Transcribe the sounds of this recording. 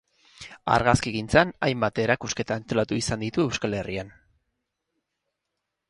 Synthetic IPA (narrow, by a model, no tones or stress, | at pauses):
a̰ɾɣaskiɣint͡sana̰jmbat̪eɾakuske̞t̪aent̪o̞lat̪uisand̪it̪ue̞wskale̞rian